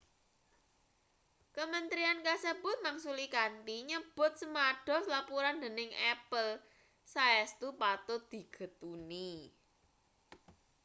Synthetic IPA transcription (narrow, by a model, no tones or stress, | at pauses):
kəmənt̪ɾiankasəbʊ̤t̪̚maŋsulikant̪iɲəb̥ʊ̤t̪̚səmaɖ̥ɔ̤slapuɾand̪ə̤nɪŋɛpəl | saɛst̪upat̪ʊd̪̥i̤ɡ̥ə̤t̪uni